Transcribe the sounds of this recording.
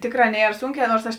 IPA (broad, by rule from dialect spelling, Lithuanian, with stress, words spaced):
ˈtʲeːkˌrɑː ˈnʲiɛr ˈsʊŋʲˌkʲɛː ˈnoːrs ˈɐʃ